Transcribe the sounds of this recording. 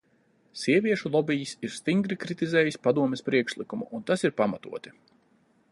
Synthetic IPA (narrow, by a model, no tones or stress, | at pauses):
sʲiɛviɛʃulˠɔbijisiɾst̪iŋɡɾikɾit̪izɛːjisʲpad̪uɔmɛspɾiɛkʃlˠikumṵʔunt̪asiɾpamat̪ṵɔt̪i̥